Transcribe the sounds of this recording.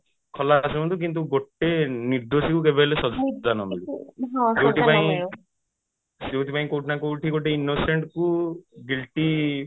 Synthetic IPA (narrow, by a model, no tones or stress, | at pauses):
kʰɔlasɔmɔnt̪uk̬int̪̬uɡoʈeniɾd̪osikukebʱɛlesɔzanɔmiɦɔ̃zewtipaĩ | ewt̪ipaĩkowʈʰnakoʈiɡoʈeinːoseɳʈkuɡilʈi